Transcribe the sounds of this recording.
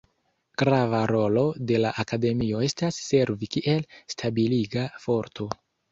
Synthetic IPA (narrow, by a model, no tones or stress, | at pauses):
ɡ̥ɾavaɾo̞lo̞de̞laʔakade̞mio̞e̞stasːe̞ɾvikiʔe̞lstʰabiliɡafo̞ɾtʰo̞